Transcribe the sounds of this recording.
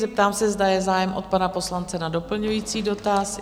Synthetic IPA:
zɛp̚t̪aːmsɛzdajɛzaːjɛmʔot̪̚panapo̞slant͡sɛnado̞pl̩ɲujiːt͡siːdo̞t̪as

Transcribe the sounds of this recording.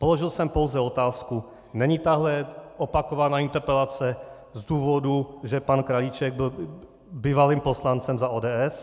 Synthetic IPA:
po̞loʒɪlsɛmpo̞wzɛo̞t̪aːsku | nɛɲit̪aɦlɛopakovanaːɪnt̪ɛɾpɛlat͡sɛ | zd̪uːvo̞duʒɛpankɾalit͡ʃɛɡ̚bɪl | biːvaliːmpo̞slant͡sɛmzaʔoːdɛːʔɛs

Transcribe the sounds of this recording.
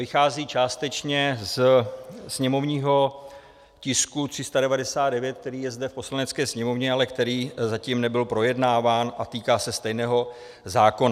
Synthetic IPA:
vɪxaːziːt͡ʃaːst̪ɛt͡ʃɲɛz | sɲɛmo̞vɲiːɦo̞ | cɪskut̪r̥ɪst̪adɛvadɛsaːd̪dɛvjɛt̪̚k̚t̪ɛɾiːjɛzdɛfpo̞slanɛt͡skɛːsɲɛmo̞vɲɛalɛkt̪ɛɾiːzaciːmnɛbɪlpɾo̞jɛdnaːvaːnʔat̪iːkaːsɛst̪ɛjnɛːɦo̞ | zaːko̞na

